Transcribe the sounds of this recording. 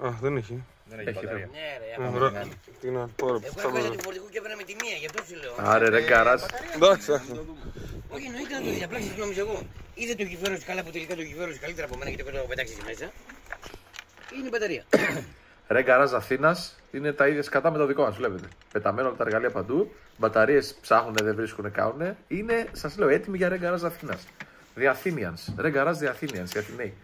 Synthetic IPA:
ɐxðeniçe | eçneeɾ | t̪inɐpoɾeoɐufoɾt̪ikuceepɾnɐmet̪imiɐʝɐft̪osileoɐ̰ɾeɾeŋɡɐɾɐsd̪ɐksɐk | oçienoit̪ɐnɐt̪oðʝɐplɐksisnomisoeɣo̞iðet̪oʝiveɾoskɐlɐp̬ut̪elikɐt̪oʝiveɾosikɐlit̪eɾɐpomenɐʝɐt̪iot̪oɣopet̪ɐksit̪emesɐ | ineibɐt̪ɐɾiɐ | ɾeɡɐɾɐzɐθinɐs | ine̞t̪ɐiðʝɐskɐt̪ɐme̞t̪oðiko̞mɐzvle̞pe̞t̪e̞pe̞t̪ɐme̞nuɐlɐt̪ɐeɣɐliɐpɐnd̪u | bɐt̪ɐɾie̞spsɐxuneðevɾiskune̞kɐ̰nune̞ine̞sɐzle̞o̞et̪imiʝɐɾe̞ŋɡɐɾɐzɐθinɐs | ðiɐθiniɐnsɾeɡɐɾɐzðiɐθiniɐnsʝɐt̪ine

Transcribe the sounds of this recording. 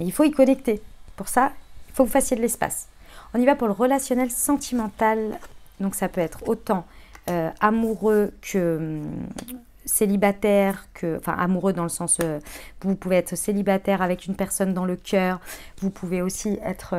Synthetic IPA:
eilfoikɔnɛk̚t̪epuʁsailfovufasjed̪əlɛspa̰s | ɔ̃nivapuʁləʁəlasjɔnɛlsɑ̃t̪ʰimɑ̃t̪ald̪ɔ̃ksapøɛt̪χot̪ɑ̃øamuʁøkʰəm | selibat̪ɛʁkʰəɑ̃fɛ̰̃ʔa̰muʁød̪ɑ̃ləsɑ̃søvupuveɛt̪χselibat̪ɛʁavɛkynpɛʁsɔnd̪ɑ̃ləkʲʰœːʁvupʰuveosiɛt̪χ

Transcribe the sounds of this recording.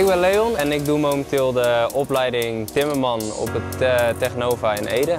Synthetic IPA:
ɪkbɛnlejɔnɛnɪk̚dumowməntɪːlˠdəɔplɛjdɪŋtɪməɹmɑnɔ̰pətteχənoːfəəneːdə

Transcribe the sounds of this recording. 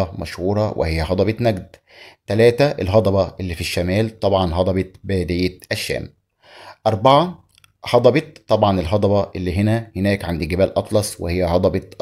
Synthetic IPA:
ɑmæ̰ʃhuːɾˤɑwʔɪ̰hɪjːæɦɑd̪ˤɑbɑt̪næɡd̪ | t̪ælæːt̪æʔelɦɑd̪ˤɑbɑʔɪlːiːfiʃːæmæːlt̪ˤɑbʕɑnɦɑd̪ˤɑbɑt̪̚bæjd̪ɪjːet̪ʔæʃːæ̰ːm | ʔɑɾˤbaʕɑ | hɑd̪ˤɑbɑt̪t̪ːɑbʕɑnelɦɑd̪ˤɑbɑʔelːiːɦenæhenæːkʕand̪iɡɪbæːlʔɑt̪ˤlɑsˤwḛhejːæhɑd̪ˤɑbɑt̪

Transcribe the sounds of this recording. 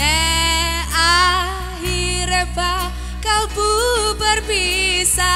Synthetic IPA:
ɛ | a | ɦiɾeba | kalbubərbisa

